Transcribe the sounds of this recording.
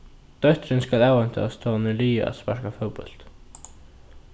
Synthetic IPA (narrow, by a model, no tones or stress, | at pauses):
t̪œht̪ɾɪnskalaːwan̥t̪əa̰st̪ʰɔːnɪliːa̰spaɾkafœwpʏ̰l̥t̪